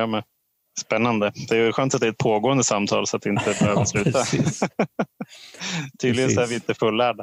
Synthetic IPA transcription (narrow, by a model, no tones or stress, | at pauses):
ɑːmɛn | spɛnːand̪əd̪ɛjɧœːnt̪at̪d̪ɛæɾɛt̪pʰoːɡoːənd̪əsamt̪ʰɑ̰ːlsɔat̪̚ːɛɪnt̪əbøːvslʉ̟ːt̪a | t̪ʰyːd̪lɪɡənsɔæɾvɪɪnt̪əfɵlːæːɖa